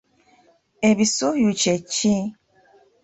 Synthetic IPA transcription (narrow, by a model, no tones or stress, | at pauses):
eβisojut͡ʃet͡ʃi